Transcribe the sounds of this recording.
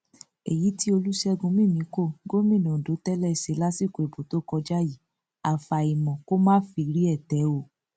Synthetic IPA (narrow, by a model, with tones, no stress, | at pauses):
e˨ji˨˦ti˦o˧lu˦ʃɛ˧ɡũ˧mĩ˦˨mĩ˨˦ko˦˨ɡo˦mĩ˦˨nũ˨do˨˦tɛ˦lɛ˦˨se˨˦la˦si˦˨ko˨e˨bo˨to˨˦kɔ˧d͡ʒa˦ji˨˦ | a˨fa˨i˨mɔ̃˨ko˦mãː˦fi˧˦ɾi˦ɛ˦˨tɛ˨˦o˦˨